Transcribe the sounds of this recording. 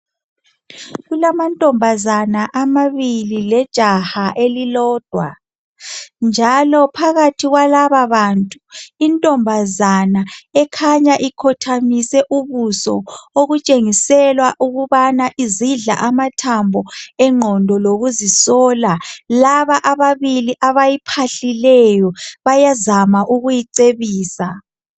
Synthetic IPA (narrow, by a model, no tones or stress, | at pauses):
ɣulamantʼɔmbʱazanaʔamaβililɛd̥ʒ̥ʱahaʔelilɔːd̥ʱwa | nd͡ʒʱalɔpʰaɣatʰiɣwalaβaβantʼuintʼɔmbʱazanaɛkʰaɲaʔikʰɔtʰamisɛʔuβusɔ̰oɣut͡ʃʼeŋisɛlwaʔuɣuβanaʔiziɮa̰ʔamatʰambʱɔɛŋ͡ǃʱɔndʱɔloɣuzisɔːlalaβaʔaβaβiliʔaβajipʰaɬilɛjɔβajazamaʔuɣujiǀeβiːsa